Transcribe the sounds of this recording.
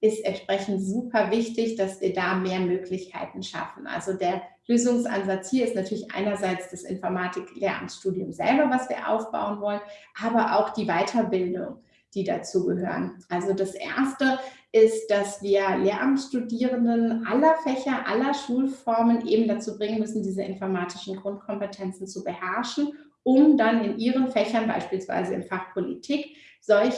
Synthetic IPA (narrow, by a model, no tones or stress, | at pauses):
ʔɪstʔɛntʃpʁ̥ɛçn̩tz̥uːpʰɐvɪçtɪçd̥asv̥iːɐdaːmeːɐmøːklɪçkʰa̰ɪtn̩ʃa̰fn̩ʔa̰lzodeːɐløːzʊŋsʔa̰nzat͡shiːɐɪstnatʰyːɐlɪçʔa̰ɪnɐzaɪt͡sd̥asʔɪ̰nfɔɐmaːtʰɪklʔeːɐʔa̰mtʃtuːdiʊmzɛ̰lbɐvasv̥iːɐʔa̰ʊfb̥a̰ʊənvɔlənʔaːbɐʔa̰ʊxd̥iːvaɪtʰɐbɪldʊ̰ŋ | d̥iːda̰t͡suːɡəɦø̰ːʁənʔalzodasʔḛɐstəʔɪst̚d̥asv̥iːɐleːɐʔamtʃtudiːʁəndənʔalɐfɛçɐʔalɐʃuːlfɔɐmənʔeːbm̩dat͡suːbʁɪŋənmʏsn̩diːzəʔɪnfɔɐmaːtʰɪ̥ʃn̩ɡʁʊntkʰɔmpətʰɛnt͡sn̩t͡subəhɛɐʃn̩ | ʔʊmdanɪnʔiːʁ̞ənfɛçɐnba̰ɪʃpiːlsv̥a̰ɪzəɪ̰nfaχpʰolḭtʰiːk | z̥ɔlç